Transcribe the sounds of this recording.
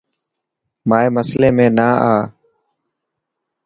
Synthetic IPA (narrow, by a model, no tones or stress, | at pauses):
maːeːməsleːmẽːnaːaː